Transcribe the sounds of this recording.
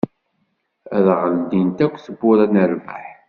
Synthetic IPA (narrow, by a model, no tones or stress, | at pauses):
æðʁəld̪int̪ækʷːθəbːʊɾænəɾmə̰ħ